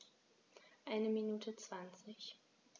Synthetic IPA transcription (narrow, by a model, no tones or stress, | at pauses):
ʔaɪnəminuːtʰət͡sv̥ant͡sɪç